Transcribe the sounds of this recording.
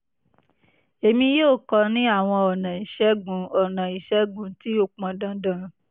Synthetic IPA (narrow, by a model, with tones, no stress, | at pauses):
e˧mĩ˧joː˦˨kɔ˧˦nĩ˦a˦˨w̃ɔ̃˧ɔ˨nã˨i˨ʃɛ˨˦ɡũ˨˦ɔ˨nã˨i˨ʃɛ˦ɡũ˨˦ti˦o˦˨k͡pã˧dã˧˦dã˦˨